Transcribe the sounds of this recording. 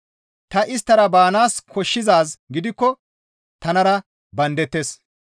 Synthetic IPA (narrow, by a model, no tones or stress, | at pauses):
t̪ɐʔɪst̪ːɐɾɐbaːnaːskʰɔʃːɪzaːsɡɪd̪ɪkːɔ | t̪ɐnɐɾɐ | bɐnd̪ɛt̪ːeːs